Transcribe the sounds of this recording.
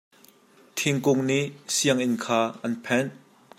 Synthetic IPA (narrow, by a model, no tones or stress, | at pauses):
t̪ʰiŋkʊŋniʔsiəŋʔɪnkʰaːʔɐnpʰɛn